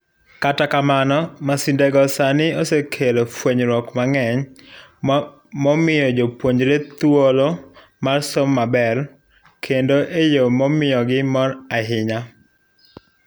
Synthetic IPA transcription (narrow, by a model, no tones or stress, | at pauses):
katakamanɔmasindɛɡɔsanɪosekʰelofweɲɾɔkmaŋɛɲ | mɔmɪjɔd͡ʒopwoɲd͡ʒɾet̪wolo | marsomːabɛr | kʰendoʔejomɔmɪjɔɡɪmɔɾaɦɪɲa